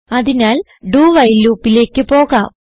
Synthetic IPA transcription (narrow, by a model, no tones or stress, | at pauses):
ɐðinaːl | ɖuːʋɐjluːpːile̞ːkːɨpo̞ːɣaːm